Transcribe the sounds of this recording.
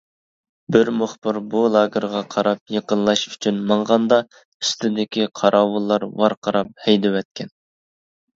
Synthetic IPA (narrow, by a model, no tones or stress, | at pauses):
bɪɾmʊχbɪɾbulˠɑːɡʲəɾʁɑqʰɑɾɑp̚jeqənlˠɑʃy̥t͡ʃʰynmɑɴʁɑnd̪ɑ | y̥st̪ʰɪd̪ɪkʲiqʰɑɾʔɑːwulˠːɑɾwɑɾqʰɑɾɑp̚hɛjd̪ɪwɛt̪̚kʲʰɛn